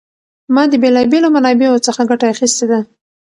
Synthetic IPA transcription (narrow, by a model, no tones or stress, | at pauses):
mɑd̪əbelɑbelomanɑbeot͡səxaɡaʈaaxist̪ed̪a